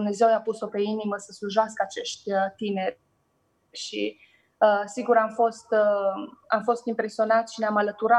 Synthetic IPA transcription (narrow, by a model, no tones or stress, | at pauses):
mne̞ze̞wjapuso̞pe̞iniməsəsluʒaskəat͡ʃe̞ʃt̪ʲt̪ine̞rʲ | ʃḭ | əsiɡuɾamfo̞st̪əamfo̞st̪impɾe̞sio̞nat̪sʃineamalət̪uɾa